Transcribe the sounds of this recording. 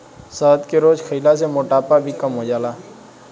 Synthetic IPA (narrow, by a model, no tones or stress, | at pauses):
səːt̪keːɾoːzkʰəiːlaːsemoːʈaːpaːbʱiːkəmɦoːd͡ʒaːlaː